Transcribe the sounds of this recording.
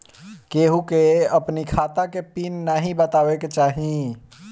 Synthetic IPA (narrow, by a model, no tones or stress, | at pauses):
keɦukeəpnikʰaːt̪akepiːnːaɦĩbət̪aːweket͡ʃaːɦĩ